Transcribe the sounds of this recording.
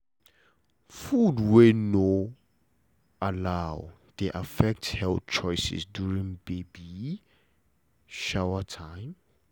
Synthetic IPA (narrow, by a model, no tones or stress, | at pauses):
fudweno | alaw | d̥eʔafɛk̚thɛlt͡ʃʰɔjsɛ̰sdjuɹĩŋbebi | ʃawətʰãɪ̃m